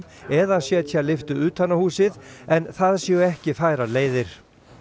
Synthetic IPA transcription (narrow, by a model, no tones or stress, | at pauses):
ɛðasjɛt̪çalɪft̪ʏuːt̪ʰanːahuːsɪðɛnθaðsiɣʏɛhcɪfajɾaleːjðɪɾ̥